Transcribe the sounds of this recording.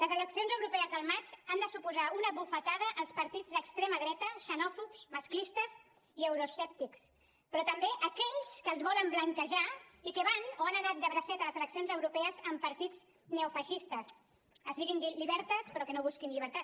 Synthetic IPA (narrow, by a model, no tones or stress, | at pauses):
ləzələksionzəwɾupɛəzðəlˠmat͡ʃand̪əsupuzaunəβufət̪aðəʔːlˠspəɾt̪id͡zðəkst̪ɾeməðɾɛt̪əʃənɔfupzmɐsklist̪əz | iəwɾusɛp̚t̪iks | pɾɔt̪əmbeʔəkɛʎskəːlˠzβɔləmbləŋkəʒaikəβanoanəðat̪̚d̪əβɾəsɛt̪ələzələksionzəwɾupɛəzəmpəɾt̪id͡z | neufəʃist̪əs | əzðiɣinʎiʎiβɛɾt̪əspəɾɔkənoβ̞uskinʎiβəɾt̪at̪